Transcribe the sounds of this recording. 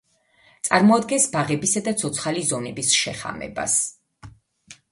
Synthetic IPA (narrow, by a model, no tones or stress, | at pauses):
t̪sʼaɾmɔad̪̚ɡɛnsbaʁɛbisad̪at̪sʰɔt̪sʰχalizɔnɛbisʃɛχa̰mɛ̰ba̰s